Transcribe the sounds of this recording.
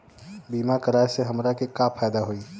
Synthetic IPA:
biːmakəɾaːeseɦɐmɾakekapʰaːd̪aɦoiː

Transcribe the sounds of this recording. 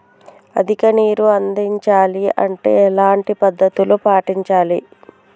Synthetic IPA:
ɐ̰d̪ʱikɐniːɾuɐnd̪iɲt͡ʃaːliɐ̰ɳʈe̞ːlaːɳʈipɐd̪ːɐt̪ulupaːʈiɲt͡ʃaːli

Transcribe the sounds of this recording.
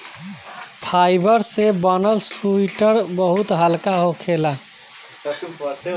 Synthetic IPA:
pʰajbəɾsebənəlsuiʈəɾbəɦut̪ɦəlkaɦokʰela

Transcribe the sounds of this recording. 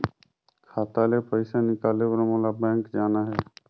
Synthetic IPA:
kʰaːt̪alepəɪsanɪkaːlewəɾmõlabɛ̃ːŋkd͡ʒaːnaɦɛː

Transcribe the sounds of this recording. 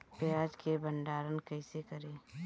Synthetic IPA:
pjaːd͡ʒkebə̃ɳɖaːɾənkɐɪsekɐɾeː

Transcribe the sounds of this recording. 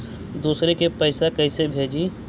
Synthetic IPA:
d̪uːsɾekepɐɪsekɛːsebʱeːd͡ʒiː

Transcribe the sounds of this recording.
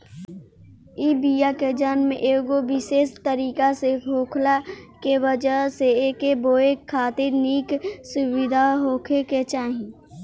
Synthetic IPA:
iːbijaked͡ʒaːnmḛ̃ʔeːɡobɪseːst̪əɾiːkaseɦʰoːkʰlakebəd͡ʒəseeːkeboːekʰːaːt̪ɪɾniːksʊʋɪd̪ʱaɦoːkʰeket͡ʃaːɦĩ

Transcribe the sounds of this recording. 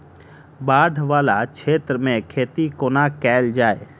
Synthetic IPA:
baːɖʱʋaːlakt͡ʃʰeːt̪ɾəmẽkʰeːt̪ikoːnakɛːld͡ʒaːeː

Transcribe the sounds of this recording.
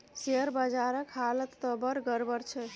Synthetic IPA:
seɦəɾbəd͡ʒaɾəkɦalət̪ːəbəɾɡəɾbəɾt͡ʃʰɛ

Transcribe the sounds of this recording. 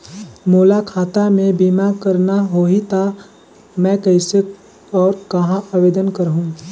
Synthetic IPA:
moːlakʰaːt̪amẽbiːmakəɾnaɦoːit̪a | mɛ̃ːkɐɪse | ɔːɾkɐɦãʔabeːd̪ənkəɾɦũː

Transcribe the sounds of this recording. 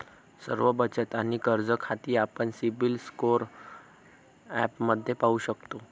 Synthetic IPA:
sə̰ɾʋəbət͡ɕət̪añikəɾd͡zəkʰat̪iːapəɳsibilskoɾ | ɛpməd̪ʱːjepauɕəkt̪o

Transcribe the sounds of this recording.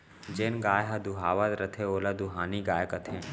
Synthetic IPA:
d͡ʒenɡaːjɦɐd̪uɦaːʋat̪ɾɐt̪ʰeoːlad̪uɦaːniɡaːjkət̪ʰɦẽː

